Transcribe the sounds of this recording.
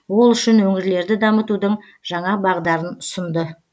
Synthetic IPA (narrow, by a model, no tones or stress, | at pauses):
wo̞lˠʏʃɪnwɵŋɪɾle̞ɾd̪ɪd̪ɑmət̪ud̪əɴ | ʒ̥ɑɴɑbɑʁd̪ɑɾənʊ̥sənd̪ə